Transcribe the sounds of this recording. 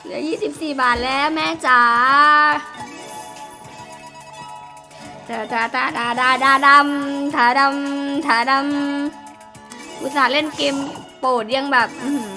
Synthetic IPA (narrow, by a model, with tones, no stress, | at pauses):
kɯ˧˩˦jiː˥˩si˨˩p̚siː˨˩baː˨˩t̪̚lɛː˦˥˩mɛː˦˧˥t͡ɕa˨˧˩ | t͡ɕa˨˩ta˨˩t̪aː˧˩daː˧˩daː˧˩daː˧˩da˧mt̪ʰaː˨˩da˧mt̪ʰaː˨˩˦da˧˥m | ʔu˧˩saː˨˦le˥˩˨nke˧mpoː˨˩t̪̚ja˧ŋbɛː˨˩p̚ʔɯː˧˩m